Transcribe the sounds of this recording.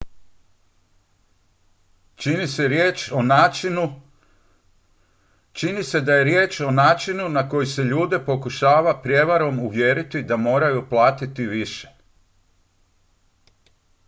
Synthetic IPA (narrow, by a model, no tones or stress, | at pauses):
t͡ʃiniseɾjeːt͡ʃo | t͡ʃinise̞d̪aje̞ɾjeːt͡ʃo̞naːt͡ʃinunako̞jise̞ʎuːd̪e̞po̞kuʃaːʋapɾje̞ʋaɾo̞muʋje̞ːɾit̪id̪amo̞ːɾajuplˠaːt̪it̪iʋiʃe̞̥